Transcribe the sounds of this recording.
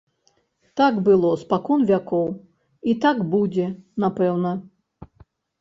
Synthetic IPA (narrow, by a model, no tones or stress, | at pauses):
t̪aɡbɨlˠɔspakɔnvʲakɔw | it̪aɡbud͡zʲɛnapɛwnɐ